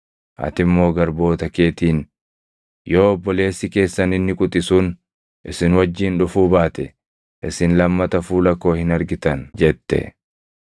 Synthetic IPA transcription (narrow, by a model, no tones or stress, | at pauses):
ʔɐ̰t̪ɪmːo̞ːɡɐɾbo̞ːt̪ɐke̞ːt̪iːn | jo̞ːɔbːɔle̞ːsːɪke̞ːsːɐnɪnːɪkʼʊt̪ʼɪsuːn | ʔɪsɪnwɐd͡ʒːiːnᶑʊfuːbaːt̪ɛ | ʔɪsɪnlɐmːɐt̪ɐfuːlɐkːo̞ːhɪnɐɾɡɪt̪ɐnd͡ʒɛt̪ːɛ̰